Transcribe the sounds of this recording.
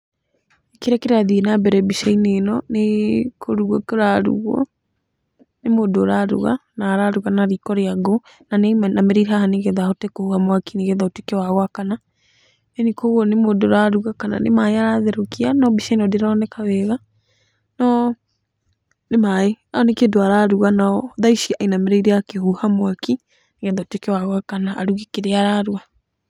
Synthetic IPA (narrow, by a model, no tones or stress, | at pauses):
ekeɾakeɾaðienabɛɾɛbiʃainenɔnekʰoɾuɣɔkoɾaɾṵɣɔ̰ | nemodoɾaɾṵɣa̰naɾaɾuɣanaɾikɔɾeaɡo | nanemnameɾiɾɦahaneɣɛðaotekohuɣamwakineɣɛðaotekewawakana | ɛnikoɣɔnemoːdoɾaɾuɣakana̰nemaeaɾaðeɾokianɔbisanɔdeɾɔnɛkaβɛɣa | nɔ | nemaeaɔnekedoaɾaɾuɣanaɔðaiʃiainameɾaiɾeakehuhamwaki | neɣɛðaotekewaɣɔakanaʔːɾuɣikeɾeaɾaɾua